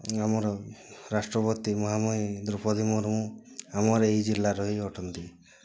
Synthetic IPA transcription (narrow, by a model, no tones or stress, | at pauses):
amɔɾɔɾasʈɾɔpɔt̪imɔɦamɔid̪uɾpʰɔd̪imuɾmuamɔɾejd͡ʒilːaɾɔɦijɔʈʰɔnt̪i